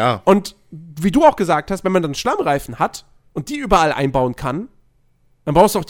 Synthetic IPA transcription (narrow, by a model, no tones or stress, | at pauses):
a̰ʔʊnt | viːduːaʊxɡ̥əzaːk̚thastv̥ɛnmandanʃlamʁaɪfn̩hat | ʔʊnt̚d̥iːʔyːbɐalʔa̰ɪnbaʊənkʰan | d̥anbʁaʊstduaʊ